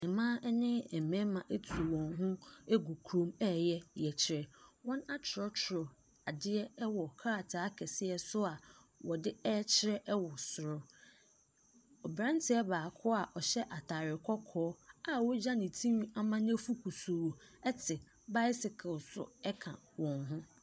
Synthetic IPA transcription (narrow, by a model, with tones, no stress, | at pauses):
nɪ̃˨mã˦ɛ˦nɪ̃˦ɛ˨mɛ̃˦mã˨ʔe˦tʰu˨wɔ̃˨ŋɦʊ̃˦e˦ɡu˨kʰɾõ˦mɛː˦˨jɛ˦jɛ˨t͡ɕʰɪ˨ɾɛ˨wɔ̃˦na˦t͡ɕʰɪ˨ɔ˦t͡ʃʰɪ˨ɾɔ˨ | a˨dɪ˦ɛ˦ɛ˦wɔ˨kʰa˦a˨tʰa˨˦kʰɛ˨sɪ˦ɛ˨sʊ˦a˨wɔ˨dɪ˦ɛː˦t͡ɕʰɪ˦ɾɛ˦ʔɛ˦wɔ˨sʊ˨ɾɔ˦ | ɔ˨bɾã˦n˦tʰɪ˦ɛ˦baː˨kʰʊ˦a˨ʔɔ˨ɕɛ˦ʔa˨tʰa˨ɾɪ˨kʰɔ˦kʰɔː˦a˨wɔ˦d͡ʑa˦nɪ̃˨tʰĩ˦m˦a˦˨mã˦n˦ɛ˦fu˦kʰu˨su˨wɛ˦tʰɪ˨ | ba˦ɪ˦sɪ˨kʰɪ˨lsʊ̰˨ɛ˦kʰã̰˨ | wɔ̃˨nɦʊ̃˦